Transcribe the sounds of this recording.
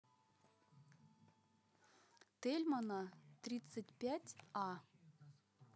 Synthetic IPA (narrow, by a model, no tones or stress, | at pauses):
t̪elʲmɑnɑt̪rʲit̪t͡sətʲpʲætʲɑ